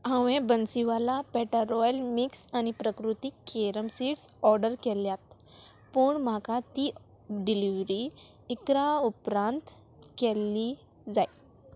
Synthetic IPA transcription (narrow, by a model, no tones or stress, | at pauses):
ə̃ʋẽbənsiʋalapɛʈəɾɔjəlmiksanipɾəkɾut̪ikʰːeɾəmsiʈsɔɾɖəɾkɛljat̪ | pəɳm̤akat̪iː | ɖiliʋɾi | ikɾaupɾãnt̪ | kɛlːiː | d͡zaj